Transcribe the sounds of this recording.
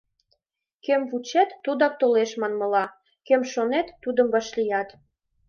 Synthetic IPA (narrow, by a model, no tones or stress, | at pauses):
kemvut͡ɕet̪ːud̪ɑk̚t̪oleʃmɑnmɤ̆lɑ | kemʃonet̪ːud̪əmbɑʃlijɑt̪